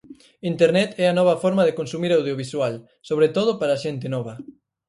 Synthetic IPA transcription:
int̪eɾnɛt̪ɛɐnɔβɐfɔɾmɐðekonsumiɾawð̞joβiswal | soβɾet̪oð̞ʊpaɾɐaʃɛnt̪ɪnɔβɐ

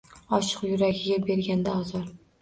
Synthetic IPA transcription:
ɒʃɨ̥qjʊɾaɡʲɪɡʲabe̞ɾɡʲand̪aɒzɒɾ

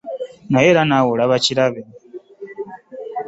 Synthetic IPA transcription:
najeɾanawulaβaciɾaβe

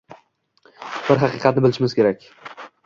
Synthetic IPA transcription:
b̥ɪɾɦɑqɨqʰɑt̪̚nɪbɪlɪʃɪmɪzkʲe̞ɾakʲ

